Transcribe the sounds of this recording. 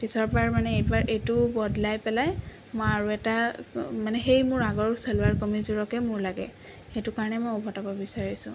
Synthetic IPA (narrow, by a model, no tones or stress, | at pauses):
pisɔɹpaɹmanɛejbaɹʔejtʊbɔdlajpɛlaj | mojaɹuɛtamanɛxejmʊɹaɡɔɹsɛlʊaɹkomizuɹɔkɛmʊɹlaɡɛ̰ | xejtʊkaɹɔnɛmojɔbʱɔtabɔbisaɹisʊ̰̃